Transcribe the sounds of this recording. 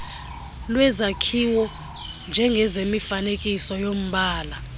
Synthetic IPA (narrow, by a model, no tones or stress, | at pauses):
lwɛzakʰiwɔ | nd͡ʒʱɛŋɡʱɛzemifanekʼisɔjom̩ɓaːla